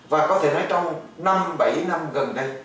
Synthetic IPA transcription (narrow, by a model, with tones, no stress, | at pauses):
vaː˨˩kɔ˨˦t̪ʰe˧˩nɔ˨˦jt͡ɕɔ˧wŋ͡mna˧mɓa˧˩jna˧mɣə˨˩nɗə˧j